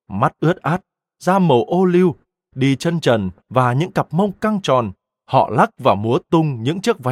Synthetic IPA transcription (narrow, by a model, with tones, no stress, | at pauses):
ma˦˥t̚ʔɨ˦˥ət̚ʔaː˦˥t̚ | zaː˧mo˨˩ʔo˧li˧w | ɗi˧t͡ɕə˧nt͡ɕə˨˩nvaː˨˩ɲɨ̰˧˥ŋka˨˩p̚mə˧wŋ͡mka˧ŋt͡ɕɔ˨˩n | hɔ̰˧˨la˦˥k̚vaː˨˩mu˨˦ət̪ʊ˧ŋ͡mɲɨ̰˧˥ŋt͡ɕɨ˦˥k̚va˨˦